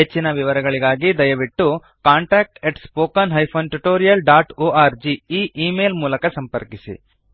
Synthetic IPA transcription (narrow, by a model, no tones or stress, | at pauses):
ɦet͡ʃːinɐʋiʋɐɾɐɡɐɭiɡaːɡid̪ɐjɐʋiʈːu | kaːɳʈaːk̚ʈeʈspoːkɐnɦɐjpʰoːnʈuʈoːɾijɐlɖaːʈoːʔaːɾd͡ʒiiːʔiːmeːlmuːlɐkɐsɐmpɐɾkisḭ